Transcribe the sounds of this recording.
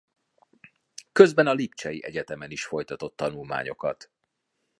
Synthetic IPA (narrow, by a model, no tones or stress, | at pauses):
kø̞zbɛnɒlip̚t͡ʃɛjiʔɛɟɛt̪ɛmɛniʃfo̞jt̪ɒt̪o̞t̪ːɒnulma̰ːɲo̞̰kɒ̰t̪